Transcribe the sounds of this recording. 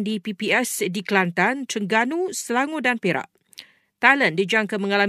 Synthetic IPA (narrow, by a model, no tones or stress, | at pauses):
ndipipiɛsdiklant̪ant̪ɾəŋɡanusəlaŋodanpeɾa̰ʔ | t̪aləndid͡ʒaŋkaməŋala